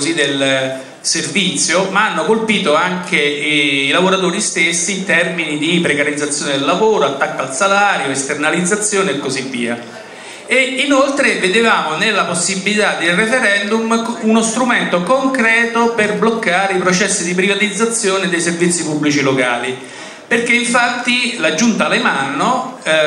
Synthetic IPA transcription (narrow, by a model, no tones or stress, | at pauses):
zid̪el | servit̪sːjomaanːokolpiːt̪oaŋkeilavoɾat̪oːɾist̪esːiːnt̪ɛrminid̪ipɾekaɾid̪zːat̪sːjoːned̪elːavoːɾoat̪ːakːaːlsalaːɾjoest̪ernalid̪zat̪sːjoːneekːozivːḭːa̰ | einolt̪ɾeved̪evaːmonelːaposːibːilit̪ad̪ːelrefeɾɛnd̪umunost̪ɾument̪okoŋkɾɛːt̪operblokːaːɾeipɾot͡ʃɛsːid̪ip̬ɾivat̪id̪zːat̪sːjoːned̪ejservit̪sːipubːlit͡ʃiloka̰ːli | perk̟eiɱfat̪ːilad͡ʒːunt̪alemanːo